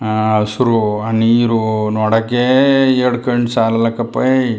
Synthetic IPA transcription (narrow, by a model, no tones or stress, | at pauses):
suɾuɐniɾunɔɽɐkːeeɾɽkɐɳɖsaːlɐlɐkːɐpːɐj